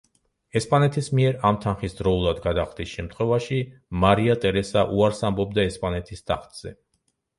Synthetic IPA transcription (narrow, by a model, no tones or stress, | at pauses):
ɛspʼanɛt̪ʰismiɛɾamt̪ʰanχisd̪ɾɔulˠad̪ɡad̪aχd̪isʃɛmt̪ʰχwɛvaʃimaɾiat̪ʼɛɾɛsaʔuaɾsambɔbd̪aɛspʼanɛt̪ʰist̪ʰa̰χt̪z̥ɛ̰